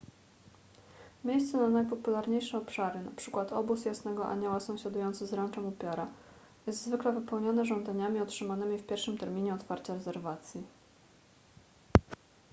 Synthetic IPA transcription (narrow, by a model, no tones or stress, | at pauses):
mʲjejst̪sɛnanajpɔpulaɾɲejʂɛɔpʂaɾɘna̰pʂɘkwat̪ʰɔbusjasnɛɡɔʔa̰ɲɔwasɔ̃w̃ɕad̪ujɔnt̪sɘzɾant͡ʂɛmupʲjaɾa | jɛst̪zvɘklɛvɘpɛwɲɔnɛʐɔ̃nd̪aɲamʲiɔtʂɘmanɘmʲifpʲjɛɾfʂɘmt̪ɛɾmʲiɲɛɔt̪faɾt͡ɕaɾɛzɛɾvat̪sʲji